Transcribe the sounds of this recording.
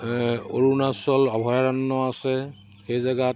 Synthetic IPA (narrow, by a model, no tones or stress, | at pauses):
o̰ɹunasɔlɔbʱɔjaɹanːɔasɛ | xejzaɡat